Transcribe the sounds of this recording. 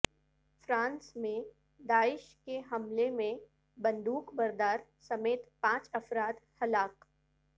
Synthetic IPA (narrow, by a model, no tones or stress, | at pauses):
fɾãːnsmẽ | d̪aːɪʃkeɦɐmlemẽ | bɐ̃nd̪uːkbɐɾd̪aːɾsɐmeːt̪pãːt͡ʃɐfɾaːt̪hɐlaːq